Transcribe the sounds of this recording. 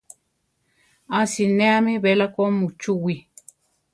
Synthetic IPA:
asineamiβelakomut͡ʃuwi

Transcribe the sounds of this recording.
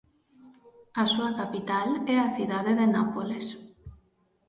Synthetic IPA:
asuakapit̪alɛaθiðaðeðenapoles

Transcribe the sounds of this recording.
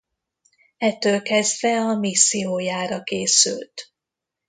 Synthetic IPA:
ɛt̪ːøːlkɛzd̪vɛɒmisːioːjaːɾɒkeːsy̰lt̪

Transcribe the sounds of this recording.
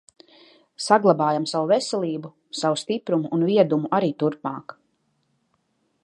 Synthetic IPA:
saɡlˠabaːjamsawuvɛsɛlˠiːbu | sawust̪ipɾumuunviɛd̪umuʔaɾiːt̪uɾpmɑːk

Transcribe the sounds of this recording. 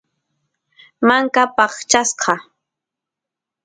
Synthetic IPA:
maŋkapɑχt͡ʃasqɑ

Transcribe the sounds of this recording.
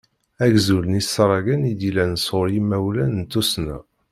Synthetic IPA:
æɡzulənisːɾˤɑɡænid̪ilænsʊɾjimːæwlænənt̪ːusnæ̰

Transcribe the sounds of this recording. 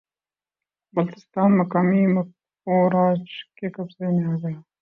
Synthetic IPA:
bɐlt̪ɪst̪ɑːnmɐkaːmimɐ | oːɾɑːd͡ʒkekɐbzeneaːɡɐj

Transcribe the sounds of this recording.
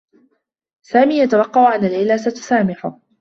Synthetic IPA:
saːmiːjat̪awɑqːɑʔʊʕanalɪlaːsat̪saːmɪħʊ

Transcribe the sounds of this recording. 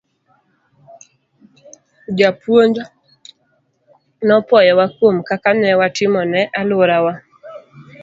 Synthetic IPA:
d͡ʒapwoɲd͡ʒ | nɔpɔjɔwakwomkakanɛwatɪmɔnɛʔalʊɾawa

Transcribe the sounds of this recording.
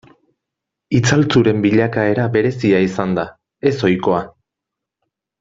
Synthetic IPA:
it͡salt͡suɾe̞mbiʎakae̞ɾabe̞ɾe̞siaisand̪a | e̞so̞jko̞a

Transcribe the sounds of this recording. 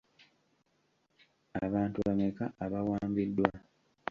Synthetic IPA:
aβaːntuβamekaʔaβawaːmbidːwa

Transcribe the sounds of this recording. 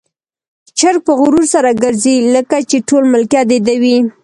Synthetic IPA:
t͡ʃaɾ̚pəɣʊɾuɾsaɾaɡəɾziləkat͡ʃeʈolmʊlkjɑd̪ed̪awi

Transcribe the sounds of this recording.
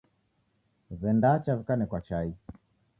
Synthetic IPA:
zɛndat͡ʃavikanɛkwat͡ʃai

